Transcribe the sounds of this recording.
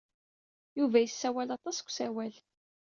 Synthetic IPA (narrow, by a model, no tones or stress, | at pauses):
juvæjəsːæwælɑt̪ˤɑskʷːsæwæl